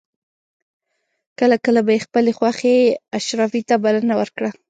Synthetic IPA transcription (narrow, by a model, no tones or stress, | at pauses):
kəlakəlabajexpəlexwaxeaʃɾɑfit̪abalənawəɾkɽa